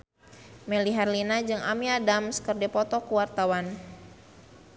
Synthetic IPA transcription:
mɛliɦarlinad͡ʒɨŋamiadamskərdɛpɔt̪ɔkuwart̪awan

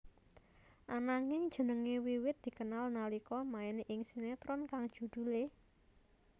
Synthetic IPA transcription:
ʔanaŋɪŋd̥ʒ̥ə̤nəŋewiwɪt̪̚d̪̥i̤kənalnalikɔmaeneʔɪŋsinet̪ɾɔnkaŋd̥ʒ̥ṳd̪̥ṳle

